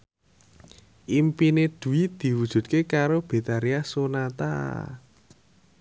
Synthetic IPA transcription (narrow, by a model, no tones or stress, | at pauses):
ʔimpined̪̥ṳid̪̥i̤wud̥ʒ̥ṳt̪̚kekaɾob̥e̤t̪aɾiasonat̪a̰